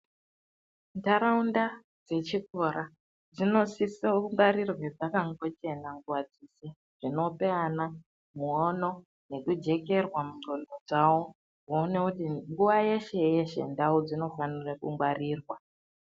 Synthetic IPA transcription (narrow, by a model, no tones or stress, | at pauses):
ndaɾaunda | d͡ze̞t͡ʃikoɾa | d͡zino̞sisauŋɡwaɾirwed͡zakaŋɡo̞t͡ʃe̞naŋɡuwad͡zise | ʐ̥ino̞pe̞ana | muono̞ | ne̞kud͡ʒe̞ke̞rwamudonod͡zawo | ɦuːnekutiŋɡuʋaje̞ʃe̞je̞ʃe̞̰ndaud͡zino̞fanirakuŋɡwariːrwa